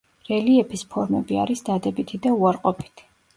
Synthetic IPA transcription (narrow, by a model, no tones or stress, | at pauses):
ɾɛliɛpʰispʰɔɾmɛbia̰ɾisd̪ad̪ɛbit̪ʰid̪auaɾqʼɔpʰi̥t̪ʰi̥